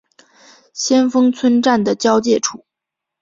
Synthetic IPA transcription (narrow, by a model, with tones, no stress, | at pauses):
ɕjɛ˥nfɤ˥ŋt͡sʰwə˥nʈ͡ʂa˥˩nd̪ə˩t͡ɕjɑ˥ʊt͡ɕjɛ˥˩ʈ͡ʂʰu˨˩˦